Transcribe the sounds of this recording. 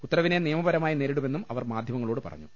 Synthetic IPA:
ut̪ːɐrɐʋine̞niːɐmɐbɐɾɐmaːjineːɾiɽume̞nːumɐʋɐrmaːd̪ʱjɐmɐŋːɐɭoːɽɨpɐ̰rɐ̰ɲːu

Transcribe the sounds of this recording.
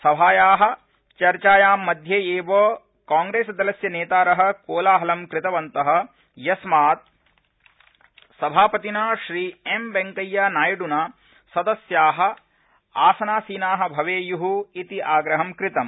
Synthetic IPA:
sɐbʱaːjaːɦɐ̆ | t͡ʃɐɾt͡ʃaːjaːmːɐd̪ʱjeːeːʋoː | kaːŋɡɾeːsɐd̪ɐlɐsjɐneːt̪aːɾɐɦɐ̆koːlaːɦɐlɐmkɾɪt̪ɐʋɐnt̪ɐɦɐ̆ | jɐsmaːt̪̚ | sɐbʱaːpɐt̪inaːʃɾiːembeŋkɐjːanaːjɐɖunaː | sɐd̪ɐsjaːɦɐ̆ | aːsɐnaːsiːnaːɦɐ̆bʱɐʋeːjuɦuit̪iʔaːɡɾɐɦɐmkɾɪt̪ɐm

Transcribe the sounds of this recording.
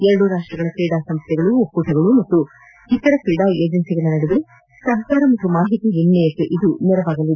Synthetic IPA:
ɛɾɐɽuɾaːʂʈɾɐɡɐɭɐpiːɽaːsɐmst̪jɛɡɐɭuopːuʈʰɐɡɐɭumɐt̪ːu | hik̪ːɐɾɐpiːɖaːeːd͡ʒɐnsiɡɐnːɐnɐɽuʋiɾe | sɐɦɐkaːɾɐmɐt̪ːumaːɦit̪iɦinːɛjɐkːeʔid̪unɛɾɐʋaːɡɐlːi

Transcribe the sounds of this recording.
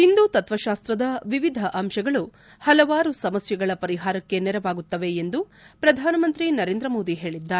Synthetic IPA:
ind̪ut̪ɐt̪ʋɐʃaːst̪ɾɐd̪ɐʋiʋid̪ʱɐʔɐmʃɐɡɐɭu | hɐlɐʋaːɾusɐmɐsjɐɡɐɭɐpɐɾiɦaːɾɐkːe̞nɛɾɐʋaːɡut̪ːɐʋe̞end̪upɾɐd̪ʱaːnɐmɐnt̪ɾinɐɾeːnd̪ɾɐmo̞ːd̪iɦe̞ːɭid̪ːaːɾe

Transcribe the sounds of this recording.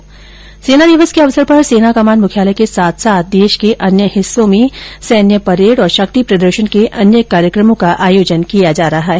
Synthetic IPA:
seːnad̪ɪʋəskeɐʋsəɾpɐɾseːnakamaːnmʊkʰjaːləkesaːt̪ʰsaːt̪̚ʰd̪eːʃkeʔɐnjəhɪsːõmẽsɛːnjəpɐɾeːɽɔːɾʃɐk̚t̪ipɾɐd̪əɾʃənkeʔɐnjəkaːɾjəkɾəmõkaʔaːjoːd͡ʒənkijad͡ʒaːɾɐɦaɦɛ

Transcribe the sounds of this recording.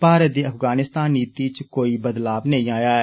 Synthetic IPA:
baːɾət̪̚d̪iːəpʰɡaːnɪst̪aːniːt̪it͡ʃkoːiːbəd̪laːbnə̃ĩːaːjaːɛː

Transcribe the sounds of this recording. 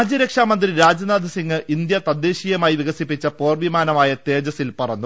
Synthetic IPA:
d͡ʑɐɾekʂaːmɐnd̪riɾaːd͡ʑɐnaːd̪ʱɐsiŋɡɨʔind̪jɐt̪ɐd̪ːe̞ːɕiːjɐmaːjiʋiɣɐsipːit͡ɕːɐpo̞ːrʋimaːnɐmaːjɐt̪e̞ːd͡ʑɐsilpɐrɐnːu

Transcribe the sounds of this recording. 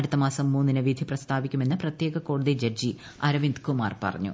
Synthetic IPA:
ɐɽut̪ːɐmaːsɐmːuːnːinɨʋid̪ʱiprɐst̪ʰaːʋikʲːume̞nːɨprɐt̪jeːɡɐko̞ːɽuðid͡ʑɐd͡ʑi | ɐɾɐʋind̪kuma̰ːrpɐ̰rɐ̰ɲːṵ

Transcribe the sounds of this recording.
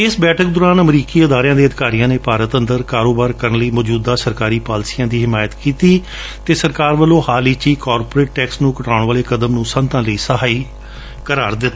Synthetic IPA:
ɪsbɛːʈʰək̚d̪ʊːɾaːnəmɾiːkiːəd̪aːɾɪjãːd̪eːəd̪ɪ̥kaːɾijãːneːpaːɾət̪ənd̪əɾkaːɾoːbaːɾkəɾənləiːmɔːd͡ʒuːd̪aːsəɾkaːɾiːpaːlsiːãːd̪iːɦɪmaːjət̪kiːt̪iː | t̪eːsəɾkaːɾʋəlõːhaːliːt͡ʃiːkaːɾpːɾeːʈ̚ʈɛːksnũːkəʈaːʊɽʋaːleːkəd̪əmnũːsə̃nt̪ãːləiːsəɦaːiː | kəɾaːɾd̪ɪt̪ːaː

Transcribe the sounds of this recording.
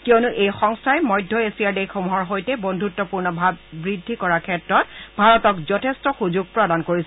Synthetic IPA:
kiɔnʊʔejxɔŋstʰajmɔjdʱːɔesijadejkʰːomuɦɔɹɦojtɛbondʱutːɔpuɹnɔbʱabːɹidʱːikɔɹakʰɛtɹɔtbʱaɹɔtɔkzɔtʰestɔxuzuɡ̚pɹɔdankoɹisɛ

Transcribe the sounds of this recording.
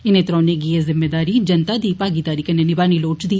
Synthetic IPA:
ɪneːt̪ɾɔːneːɡiezɪmːeːd̪aːɾiːd͡ʒənt̪aːd̪iːpaːɡiːd̪aːɾiːkəneːnɪbaːniːloːt͡ʃd̪iː

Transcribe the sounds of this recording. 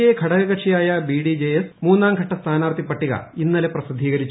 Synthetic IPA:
ekʰɐɽɐɣɐɣɐʈʂʰijaːjɐbiːɽid͡ʑejesmuːnːaːmɡʱɐʈːɐst̪ʰaːnaːrt̪ʰipːɐʈːiɣɐ̰inːɐleprɐsid̪ʱiːɣɐɾit͡ɕː

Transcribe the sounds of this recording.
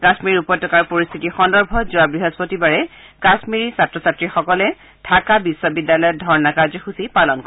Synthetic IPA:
kasmiɹiupɔtːɔkaɹpoɹist̪ʰitixɔndɔɹbʱɔzuabɹiɦɔspotibaɹɛkasmiɹisatɹɔsatɹixɔkɔlɛ | tʰakabisːɔbidːalɔjɔt̚dʱɔɹnakaɹzɔxusipalɔnkɔ

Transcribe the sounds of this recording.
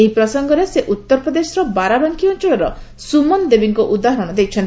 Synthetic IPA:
eɦipɾɔsɔŋɡɔɾeseʔut̪ːɔɾpɾɔd̪esɔɾɔbaɾabaŋkʰiɔnt͡ʃɔɭɔɾɔ | sumɔnd̪ebiŋkɔʔud̪aɦɔɾɔɽ̃ɔd̪ejt͡ʃʰɔnt̪i

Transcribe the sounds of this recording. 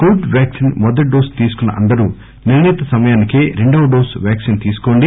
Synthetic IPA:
kuːɖʋjaːksinmɔd̪ɐʈ̚ɖoːɾst̪iːsu̥kunːɐ̰ʔɐnd̪ɐɾuː | niɾnɛːt̪ɐsɐmɐjaːnikeɾeɳɖɐwɐɖoːɾsʋjaːksint̪iːsu̥koːɳɖi

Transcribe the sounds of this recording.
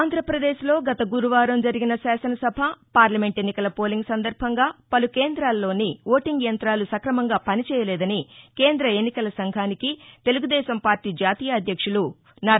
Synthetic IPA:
aːnd̪ʱɾɐpɾɐd̪eːʃlo̞ːɡɐt̪ɐɡuɾuʋaːɾɐmd͡ʒɐɾiɡinɐsaːsɐnɐsɐbʱɐpaːɾlɐme̞ɳʈenːikɐlɐpo̞ːliŋɡsɐnd̪ɐɾbʱɐŋɡaːpɐlukeːnd̪ɾaːlːo̞ːniʋo̞ːʈiŋɡjɐnt̪ɾaːlusɐkɾɐmɐŋɡaːpɐnit͡ʃɛːjɐlɛːd̪ɐnike̞ːnd̪ɾɐe̞nːikɐlɐsɐŋɡʱaːnikit̪e̞luɡud̪ɛːʃɐmpaːɾʈiːd͡ʒaːt̪iːjɐːd̪ʱjɐkʂulu | na

